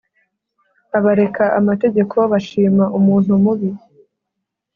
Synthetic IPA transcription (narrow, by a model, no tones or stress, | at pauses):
aβaɾe̞kʰaʔamate̞ɟekʰoβaʃiːmaʔumuːn̥humuβi